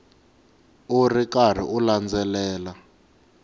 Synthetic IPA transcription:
urikar̤ḭʔuland͡zɛlɛːla

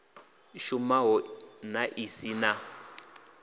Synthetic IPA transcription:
ʃumaɦɔnaʔisina

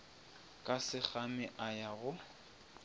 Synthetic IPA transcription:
kʼasɪk͡xamɪʔajaɣʊ

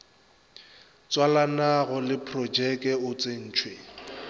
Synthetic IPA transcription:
t͡sʼwalanaɣɔlɪpʰrɔd͡ʒɛkʼɛʊt͡sʼen̩ːt͡ʃʰwe

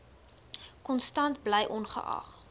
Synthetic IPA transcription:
kɔnstɐntbləjʔɔnχə̰ʔɐ̰χ

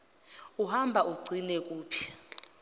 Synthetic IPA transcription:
uhambʱaʔuɡ͡ǀʱinɛk̬ʼuːpʰja

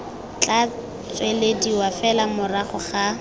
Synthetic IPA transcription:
t͡ɬʼa | t͡sʼwelediwafɛlamʊraχʊχa

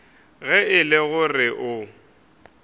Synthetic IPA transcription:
ɣɛɪlɪɣʊrɪʔʊ

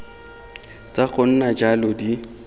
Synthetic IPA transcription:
t͡sʼaɣʊn̩nad͡ʒalʊdi

